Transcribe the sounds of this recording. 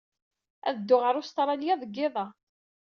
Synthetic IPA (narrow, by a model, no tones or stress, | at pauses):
æ̰ðəd̪ːʊʁəɾˤʊst̪ɾˤɑljɑðˤəɡːɪðˤɑ